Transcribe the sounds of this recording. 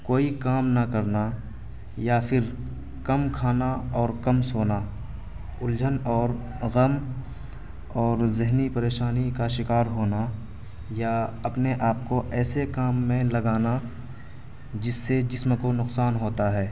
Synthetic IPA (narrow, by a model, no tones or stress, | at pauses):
koːikaːmnakɐɾna | japʰɪɾ | kɐmkʰaːnaɔːɾkɐmsoːna | ʊld͡ʒʱənɔːɾ | ɣɐm | ɔːɾzɪɦnipɐɾeːʃaːnikaʃɪkaːɾɦoːna | jaɐpneʔaːp̚koʔɛːsekaːmːẽlɐɡaːna | d͡ʒɪsːed͡ʒɪsmkonʊqsaːnɦoːt̪aɦɛː